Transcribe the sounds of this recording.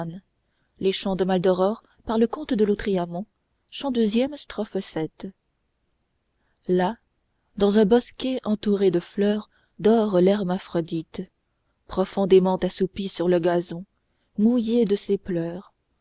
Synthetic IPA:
n | leʃɑ̃d̪əmald̪ɔʁɔʁ | paʁləkɔ̃t̪d̪əlot̪χiamɑ̃ | ʃɑ̃d̪øzjɛmst̪χɔfəsɛt̪ | la | d̪ɑ̃zɛ̃bɔskʲeʔɑ̃t̪uʁed̪əflœːʁ | d̪ɔʁlɛʁmafχɔd̪it̪ | pχɔfɔ̃d̪emɑ̃t̪asupisyʁləɡazɔ̃ | mujed̪əseplœːʁ

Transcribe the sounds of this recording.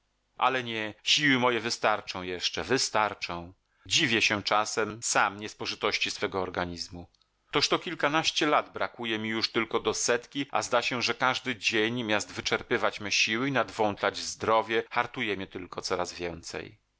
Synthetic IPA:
ʔa̰lɛɲɛɕiwɘmɔjɛvɘst̪aɾt͡ʂɔ̃w̃jɛʂt͡ʂɛvɘst̪aɾt͡ʂɔ̃w̃ | d͡ʑivʲjɛɕɛt͡ʂasɛmsamɲɛspɔʐɨt̪ɔɕt͡ɕisfɛɡɔːɾɡaɲizmu | t̪ɔʂt̪ɔkʲilkanaɕt͡ɕɛlad̪bɾakujɛmʲijuʂt̪ɘlkɔd̪ɔsɛt̪kʲiʔa̰zd̪aɕɛʐɛkaʐd̪ɘd͡ʑeɲmʲjazt̪vɘt͡ʂɛɾpɘvat͡ɕmɘɕiwɘinad̪vɔnt̪lad͡ʑzd̪ɾɔvʲjɛxaɾt̪ujɛmʲɛt̪ɘlkɔt̪sɔɾazvʲjɛnt̪sɛ̰j

